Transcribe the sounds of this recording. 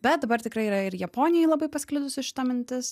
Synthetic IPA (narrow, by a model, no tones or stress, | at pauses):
bʲɛt̪̚d̪ɐbɐɾt̪ʲɪkɾɐɪiːɾɐɪɾjɛpoːnʲɪjɛɪlˠɐbɐɪpɐsʲkʲlʲɪd̪ʊsʲɪʃʲɪ̥t̪ɐmʲɪnʲt̪ʲɪs